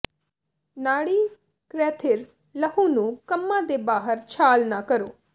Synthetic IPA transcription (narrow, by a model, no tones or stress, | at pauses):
naːɽiː | kɾɛːt̪ʰɪɾ | ləhuːnũːkəmːãːd̪eːbaːɦəɾt͡ʃʰaːlnaːkəɾo̰ː